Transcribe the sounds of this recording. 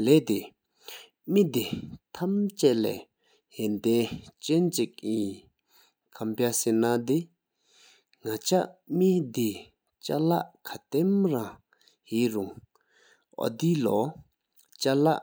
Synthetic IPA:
leːʔt̪e | mid̪it̪ʰamt͡ɕɛʔlɛ̰ː | hent̪ɛnt͡ɕɛnt͡ɕik̚i | kʰampjasenad̪i | ŋat͡ɕaʔmid̪i | t͡ɕa̰laʔkʰat̪emra | hiːruŋ | ʔɔ̰d̪ilɔ̰ | t͡ɕalaʔ

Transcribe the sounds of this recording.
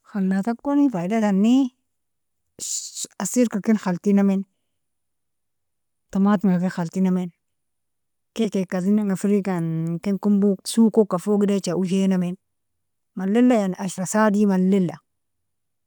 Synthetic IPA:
xalnatakːonifaidatanːi | asiɾkakinxaltinamin | tamatŋɡakexaltinamen | kekekazinaŋafiɾikankenkumbusukokːafoɡidet͡ʃaud͡ʒenamen | malːelːajanaʃɾasadimalːelːa

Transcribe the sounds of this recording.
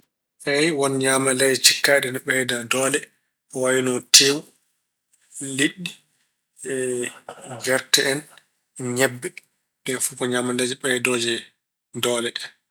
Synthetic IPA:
ʔɛjwɔnɲamalad͡ʒt͡ʃikːaɗɛnɓɛjdadɔlɛ | wawinɔtim | liɗːi | ɛ | ɡɛɾtɛʔɛn | ɲɛbːɛ | nɛfukɔɲamalad͡ʒɛɓɛjdɔd͡ʒɛ | dɔlɛ

